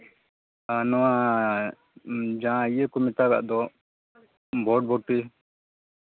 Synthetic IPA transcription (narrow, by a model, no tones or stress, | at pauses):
anɔwa | d͡ʒãijekɔmɛt̪aɡa̰ʔd̪ɔ | bɔɖ̚bɔʈːi